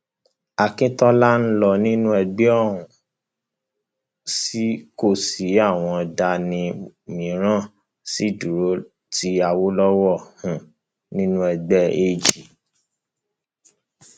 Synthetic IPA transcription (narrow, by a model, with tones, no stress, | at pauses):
a˨kĩ˦tɔ˦la˦n̩˦lɔ˧˨nĩ˦nũ˦ɛ˧ɡ͡bɛ˦ɔ˦˨ɾ̃ũ˨ | si˦ko˦˨si˨˦a˦˨w̃ɔ̃˧˨da˧nĩ˧mĩ˨˦ɾ̃ã˦˨ | si˨˦˨du˨ɾo˨˦ | ti˧˦a˨wo˦lɔ˦wɔ˦˨hũ˨ | nĩ˦nũ˦ɛ˧ɡ͡bɛ˦e˧d͡ʒi˨